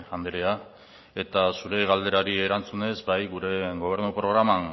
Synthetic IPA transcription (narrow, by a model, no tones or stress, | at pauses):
and̪eɾea | e̞t̪asuɾe̞ɣald̪e̞ɾaɾie̞ɾant͡sune̞zbajɣuɾe̞ɣo̞β̞e̞ɾnupɾo̞ɣɾama